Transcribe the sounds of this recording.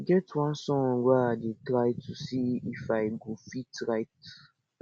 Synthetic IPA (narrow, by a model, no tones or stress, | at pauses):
ɡɛtwãnsɔ̃ŋɡwadetɾajtʰːusiifajɡofitɾajt